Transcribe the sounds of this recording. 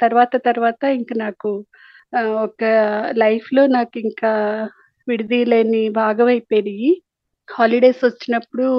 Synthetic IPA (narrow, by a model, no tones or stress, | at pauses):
t̪ɐɾuʋaːt̪ɐt̪ɐɾuʋaːt̪ɐiŋkɐnaːku | ɔkɐlɐjpʰlo̞ːnaːkuiŋkaː | ʋiɽud̪iːle̞ːnibʱaːɡɐʋɐjpeːɾii | haːliɖe̞ːsʋɐt͡ʃːinɐpːuɽu